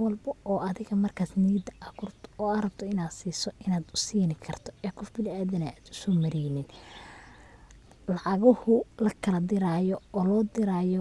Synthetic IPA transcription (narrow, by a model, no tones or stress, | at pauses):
wɑlbɐɔːʔɐðɪɣɐmɐrkʰaːsniːd̪ɐɐkʊrt̪ʰɔːɐɾɐbt̪ʰɔɪnaːd̪siːsɔɪnaːd̪ʊsiːnɪkʰɐrt̪ʰɔɛːkʰɔfbɪlɪaːðɐnɐaːd̪ʊ̥sɔːmɐɾɛːnɪd̪ | lɑʕɑɣɔhʊlɐkʰɐlɐd̪ɪɾaːjɔɔːlɔːd̪ɪɾaːjɔ